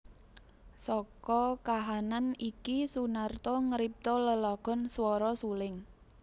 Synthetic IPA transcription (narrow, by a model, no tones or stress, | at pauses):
sɔkɔkaɦananikisunart̪ɔŋəɾip̚t̪ɔləlɔɡ̥ɔ̤nswɔɾɔsulɪŋ